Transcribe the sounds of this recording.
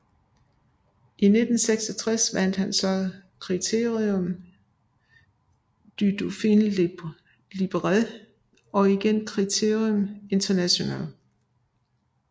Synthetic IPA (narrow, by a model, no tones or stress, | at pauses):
ʔine̝d̥n̩seɡ̥sɒt͡sʰʁɛsʋæn̰d̥hænsɒ̽kʰʁit͡sʰe̝ɐʁiɔm | d̥yd̥ufiːn | lib̥əʁɑl | ɒ̽iɡ̥enkʰʁit͡sʰe̝ɐ̰iome̝nt͡sʰɐnæɕo̝næ̰ːl